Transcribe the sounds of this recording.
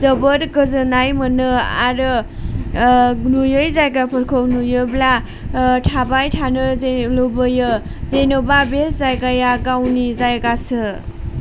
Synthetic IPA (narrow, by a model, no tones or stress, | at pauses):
zəbəɾkɯzɯnajmɯnɯa̰ɾɯ | nujɯjzajɡapʰəɾkʰownujɯbla | tʰabajtʰanɯzelobɯjɯ | zenobabeszajɡajaɡawnizajɡasɯ